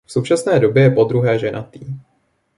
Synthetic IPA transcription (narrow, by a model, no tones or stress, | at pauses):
fsowt͡ʃasnɛːdo̞bjɛjɛpo̞d̪ɾuɦɛːʒɛnʔat̪iː